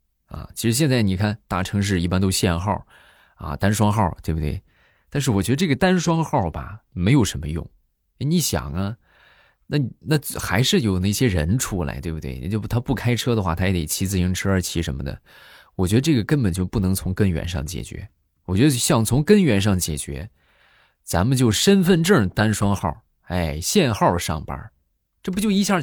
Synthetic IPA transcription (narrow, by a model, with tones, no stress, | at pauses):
ɐ̰˩t͡ɕʰi˧˥ʂɻ̩˧˥ɕ̬jɛ˥˧nt͡sa˥˩ɪni˨˩kʰa˥˩nt̪a˥˩ʈ͡ʂʰɤ˧˥ŋʂ̬ɻ̩˥˧i˥˩pa˥nt̪o˥ʊɕjɛ˥˧nxɑ˥˩ | ɐ̰˧t̪a˥nʂwɑ˥ŋxɑ˥˩ʊt̪we˥˩bu˩t̪wḛ˥˩ɪ | t̪a˥˧nʂ̬ɻ̩˥˩wɔ˨˩t͡ɕɥd̪ə˧ʈ͡ʂɤ˥˩ɡə˩t̪a˥nʂwɑ˥ŋxɑ˥˩ʊbɐ̰˨˩me˧˥ɪjo˨˩ʊə˧˥nmə˧jʊ̰˥˩ŋ | ɛ˥˩ni˧˥˩ɕjɑ̰˨˩ŋɐ˦ | na˥˩n˩na˥˩xa˧˥ɪʂɻ̩˥˩jo˨˩ʊnə˧˥˩ɕjɛ˥ɻə̰˧˥nʈ͡ʂʰu˥la̰˧ɪwe˥˩ɪbu˩t̪we˥˩ɪnḭ˨˩t͡ɕjo˥˩ʊt̪ʰa˥pu˥˩kʰa˥ɪʈ͡ʂʰɤ˥d̪ə˨˧xwa̰˥˩t̪ʰa˥ɛ˧˥˩t̪ḛ˨˩ɪt͡ɕʰi˧˥t͡sɹ̩˧˩i˧˥ŋʈ͡ʂʰɻ̩˥ə˞˧˥t͡ɕʰi˧˥ʂə˧˥mə̰˧d̪ə̰˩ | wɔ˨˩t͡ɕɥɛ˧˥d̪ə˧ʈ͡ʂɤ˥˩ɡə˩kə˥npə˨˩nt͡ɕjo˥˧ʊpu˥˩nɤ˧˥ŋt͡sʰʊ˧˥ŋkə˥nɥɛ̰˧˥nʂɑ̰˥˩ŋt͡ɕjɛ̰˨˩t͡ɕɥɛ̰˧˥ | wɔ˨˩t͡ɕɥɛ˧˥ə˧ɕjɑ˥˩ŋt͡sʰʊ˧˥ŋkə˥nɥɛ˧˥nʂɑ˥˩ŋt͡ɕjɛ̰˨˩t͡ɕɥɛ̰˧˥ | t͡sa̰˧˥mə˨˧t͡ɕjo˥˩ʊʂə˥nfə˥˧nʈ͡ʂɤ˥˩t̪a˥nʂwɑ˥ŋxɑ̰˥˩ʊ | e˥˩ɪɕjɛ˥˧nxɑ˥˩ʊʂɑ̰˥˩ŋpa̰˧˥ | ʈ͡ʂɤ˥˩p̬u˥t͡ɕjo˥˧ʊi˥ɕjɑ˥˧˩